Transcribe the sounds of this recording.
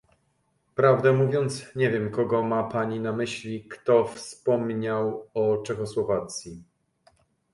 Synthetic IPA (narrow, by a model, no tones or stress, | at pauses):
pɾavd̪ɛmuvʲjɔnt̪sɲevʲjɛmkɔɡɔmapaɲinamɘɕlʲikt̪ɔfspɔmɲawɔt͡ʂɛxɔswɔvat̪sʲji